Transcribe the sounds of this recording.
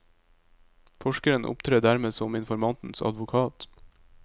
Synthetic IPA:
fɔʃkəɾənʔʊ̰pt̪ʰɾeːd̪æɾmeːsɔmɪnfɔɾmɑnt̪n̩sɑ̰d̪ʋʊkʰɑːt̪

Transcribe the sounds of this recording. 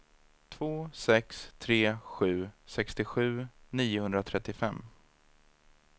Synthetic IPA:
t̪ʰvoːsɛkst̪ʰɾeːɧʉ̟ːsɛkst̪ɪɧʉ̟ːniːʊhɵnd̪ɾat̪ʰɾɛt̪ːɪfɛmː

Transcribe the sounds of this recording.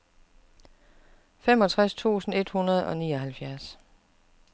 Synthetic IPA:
femɒ̽t͡sʰʁast͡sʰṵːsn̩e̝d̥hunɐð̞ˠɒ̽niːɒ̽ɦælfjæɐs

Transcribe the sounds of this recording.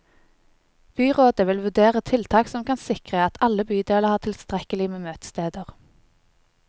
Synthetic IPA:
b̥yːʁoːd̪əʋɪlʋʉd̪eːʁət̪ʰɪlt̪ʰɑːksɔmkʰɑnsɪkʁəɑt̪ʰɑləbyːd̪eːləʁhɑːʁt̪ʰɪlst̪ʁɛkəlɪmeːmøːt̪ə̥st̪eːd̪əʁ

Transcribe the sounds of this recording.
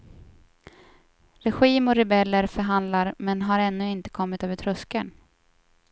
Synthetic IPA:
ɾɛɧiːmɔɾɛbɛlːəɾfœɾɦand̪laɾmɛnɦaɾɛnːɵɪnt̪ə̥kʰɔmːɪt̪øːvət̪ʰɾɵskən

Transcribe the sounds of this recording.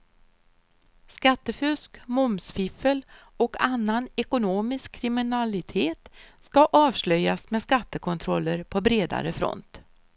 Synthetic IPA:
skat̪ːəfʏskmʊmsfɪfəl | ɔkanːanɛkʊnoːmɪskʰːɾɪmɪnalɪt̪ʰeːt̪skaʔɑːvslœjːasmeskat̪ːəkʰɔnt̪ʰɾɔlːəɾpʰɔbɾeːd̪a̰ɾəfɾɔ̰nt̪

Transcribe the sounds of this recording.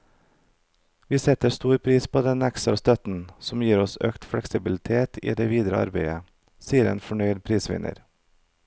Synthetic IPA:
ʋiːsɛt̪əst̪uːɾpʰɾiːspʰoːd̪ɛnæksɑ̰st̪œt̪n̩sɔm̩jiːɾɔsø̰ːkt̪fɽɛksɪbɪlɪt̪ʰeːt̪ʰḭːd̪eːʋiːd̪ɾəɑ̰ɾbeɪə | siːəɾḛːnfɔɳœʏd̪̚pʰɾiːsʋɪ̰nʔə̰ɾ

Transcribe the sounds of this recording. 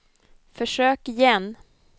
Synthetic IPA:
fœʂøːkɪjɛn

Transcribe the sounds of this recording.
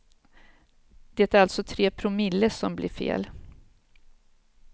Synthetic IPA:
d̪̥ɛt̪æɾalt̪sɔt̪ʰɾeːpʰɾʊmɪlːəʂɔmblɪ̰ːɾfḛːl

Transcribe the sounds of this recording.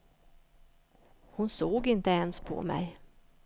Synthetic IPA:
hʊnsoːɡɪnt̪əɛnspʰɔ̰mɛ̰j

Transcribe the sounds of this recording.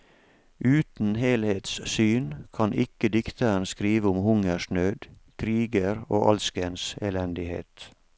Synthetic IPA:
ʔʉːt̪n̩heːlheːt̪ssyːnkʰɑnʔɪkəd̪ɪkt̪əɾənskɾiːʋəʊmhʊŋəʃɳøːd̪kʰɾiːɡəɾo̰ːʔɑlskənseːlɛnd̪ɪhḛːt̪

